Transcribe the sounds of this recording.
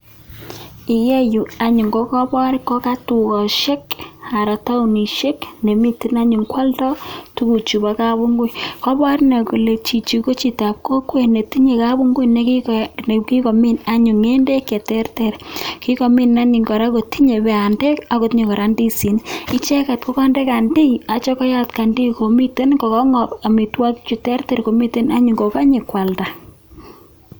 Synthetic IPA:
i˨je˦ju˨a˨ɲu˨ŋɡɔ˦kɔ˦bɔ˦ɾi˦kɔ˦ka˦tu˨kɔ˨ʃe˦ka˨ɾa˨ta˦u˨ni˨ʃe˦kne˨mi˦ti˨na˦ɲu˨ŋkwa˦ltɔ˦tu˦ku˨t͡ʃu˨ba˨˦ka˦bu˦ŋɡu˦jkɔ˦bɔ˦ɾi˦na˨ku˨le˨t͡ʃi˨t͡ʃi˨ko˦t͡ʃi˨ta˨p̚ko˦kwe˨ne˨ti˦ɲe˨ka˦bu˦ŋɡu˦jne˨˦ki˦ne˨ki˦ko˨mi˦na˦ɲʊ˨ŋe˦nde˦kːe˨tɛ˦rte˨ɾki˦ko˨mi˦nːa˦ni˨ŋɡɔ˨ɾa˦ko˨ti˦ɲe˨bɛ˨a˨nde˦ka˦kʊ˨tɲe˨ŋkɔ˨ɾa˦ndi˦si˨ni˦t͡ʃe˦ka˨t̚ko˦ka˦nde˦ka˨ndi˦ja˨t͡ʃɔ˦kɔ˦ja˦tka˨ndi˦ko˨mi˦te˦nkɔ˨kɔ˦ŋɔ˨pa˨mi˨twa˦kt͡ʃu˨tɛ˦rte˦ɾko˨mi˦te˦na˦ɲu˨ŋɡo˨ka˦ɲe˨kwa˨lta˨

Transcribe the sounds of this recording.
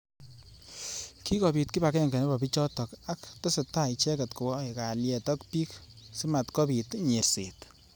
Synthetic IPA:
ki˦kɔ˨pi˨t̚ki˦ba˨kɛ˦ŋɡɛ˨ne˦ba˨pi˦t͡ʃɔ˦tɔ˨ka˦ktɔ˦se˨ta˦i˨t͡ʃɛ˦kɛ˨tko˨wɔ˦e˨ka˨ljɛ˨tɔ˦k̚pi˦ksi˦ma˨tkɔ˦pi˨tɲe˨ɾse˨t

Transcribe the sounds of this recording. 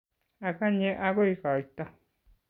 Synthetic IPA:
a˧ka˦ɲẽ˦ʔa˧ku˦i˧ka˨i˧t̪a˧

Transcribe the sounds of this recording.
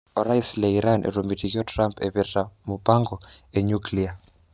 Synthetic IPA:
ɔ˨ɾa˦islɛiɾanʔḛ˨ɾomi˨ti˨kiɔ˦tra˦mpʰɛ̰βi˨ra˨mu˨pa˦ŋɡɔe˨ɲuklia˨

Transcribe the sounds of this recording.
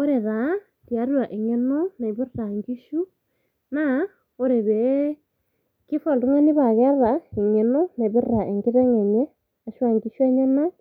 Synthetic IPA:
o˦ɾe˨ða˨˦ | tja˨˦ɾwa˨ʔe˨ŋe˦no˦na˨βi˦rɾa˨ŋɡi˦ʃu˦ | na˦ | o˦ɾe˨βe˨ | ki˦fɔ˦˨ldu˦ŋa˦ni˦βa˨ɣɛ˦ða˨i˨ŋe˨no˦ne˨βi˦ra˨ʔe˨ŋɡi˦ɾe˦ŋe˨ɲe˦ | a˨ʃwa˨ŋɡi˦ʃe˦ɲe˦na˦

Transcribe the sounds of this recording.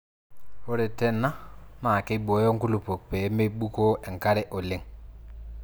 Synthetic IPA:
wo˦ɾe˨te˦nːa˦ma˨ke˦ɓo˨˦jo˦ŋku˦lu˨po˨k̚pe˨˦me˦ɓu˦ko˦ʔe˨ŋka˦ɾe˦ʔo˨lɪ˦ŋ

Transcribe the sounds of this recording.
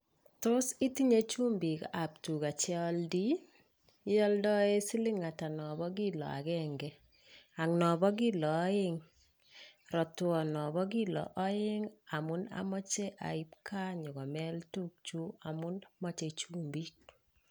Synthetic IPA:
tʊ˦si˦ti˦ɲe˦t͡ʃu˦mbi˨ka˨p̚tu˨ka˨t͡ʃɪɔ˦ldi˦ | jɔ˦ldɔ˦e˦si˦li˦ŋa˨ta˨nɔ˨bɔ˦ɡi˦lɔ̰˨a̰˨ɡɛ˦ŋɡɛ˦ | a˨ŋnɔ˨bɔ˦ɡi˦lɔː˨˦ɪ˦ŋ | ɾɔ˨twɔ˨nɔ˨bɔ˦ɡi˦lɔ̰˨ʔɔ˦ɪ˦ŋa˨mʊ˦na̰˦mɔ˦t͡ʃe˦ʔa̰˨ɪ˦p̚kʰa˦ɲɔ˨ɡɔ˨mɛ˦ltu˦k̚t͡ʃu˦a˨mʊ˦nmɔ˦t͡ʃe˨t͡ʃu˦mbi˦k̚

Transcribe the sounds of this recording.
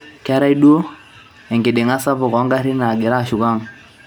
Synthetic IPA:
ka˦ɾa˦i˦ɗu˦o˦ | ɛ˨ŋɡɪ˨ɗɪ˨ŋa˦sa˦bɔ˨kɔ˨˦ŋɡa˦ɾi˦na˨ɡɪ˨ɾa˦˨ʃu˨ɡa˦ŋ

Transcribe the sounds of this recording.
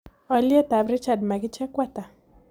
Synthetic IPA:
ɔ˨lje˦t̪a˨bɾɪ˦t͡ʃa˨dma˨ɡɪ˦t͡ʃɛ˦kwa˦t̪a˨

